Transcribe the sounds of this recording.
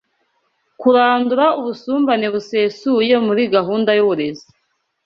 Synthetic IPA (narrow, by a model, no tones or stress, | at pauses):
kuɾaːnduɾauβusuːmbaneβuse̞ːsuje̞muɾiɡaɦuːndajuβuɾe̞zi